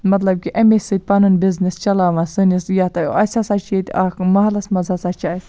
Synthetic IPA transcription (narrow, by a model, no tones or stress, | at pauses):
mɐt̪lɐb̚kʲiʔɐmesɨt̪̚ʲpanɨnbiznist͡ʃɐlaːʋɐsɨnisjat̪ɐj̰ʔɐsʲasat͡ʃiet̪ʲaːkmɐɦɐlɐsmɐzasat͡ʃaːs